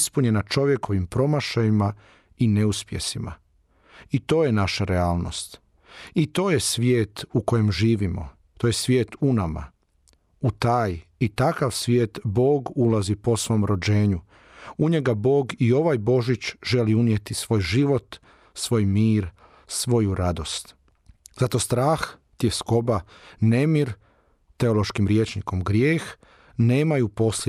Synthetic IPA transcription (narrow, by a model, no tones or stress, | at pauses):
spuɲe̞nat͡ʃo̞ʋje̞ko̞ʋimpɾo̞maʃajima | ineuspjḛsima̰ | it̪o̞ːjenaʃaɾeaːlˠno̞̰st̪ | it̪o̞ːjesʋjeːt̪uko̞je̞mʒiːʋimo̰ | t̪oːje̞sʋje̞ːt̪unama̰ | ut̪aːjit̪akaʋsʋjeːt̪bo̞ːɡulazipo̞sʋo̞mɾo̞d͡ʑe̞ːɲu | uɲe̞ɡabo̞ːɡio̞ʋajbo̞ʒit͡ʃʒe̞liunjet̪isʋo̞ːjʒiʋo̞t̪ | sʋo̞ːjmiːɾ | sʋo̞juɾad̪o̞st̪ | zat̪o̞st̪ɾaːx | t̪jesko̞bane̞miɾ | t̪e̞o̞lo̞ʃkimɾjet͡ʃniko̞mɡɾjeːx | ne̞ːmajupo̞s